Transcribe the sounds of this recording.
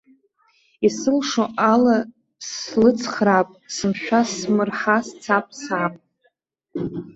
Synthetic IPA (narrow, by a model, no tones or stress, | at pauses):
isɨlʂoʔala | slɨt͡sʰχrapʼsɨmʃᶣasmɨrħast͡sʰapʼsaːpʼ